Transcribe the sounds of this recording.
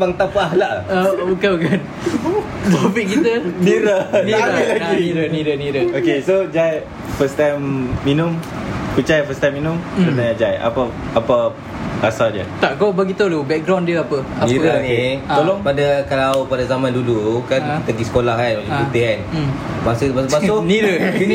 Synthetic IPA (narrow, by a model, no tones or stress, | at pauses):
baŋt̪apaɦlaʔaukakan | t̪ɾopikkːit̪əniɾəniɾailaiiɾəniɾəniɾəokesod͡ʒaj | fəst̪ajmːinum | pət͡ʃajafəst̪ajmːinũmdənaɲãd͡ʒaja̰paapa | asadə̰t̪aʔɡobəɡit̪ulubɛk̚ɡɾawndiəapəaniɾaniolɔŋpadakalawpadazamãndulukankit̪əɡisə̥kolaɦanwoleit̪iɦan | masut̪baspasoniɾəin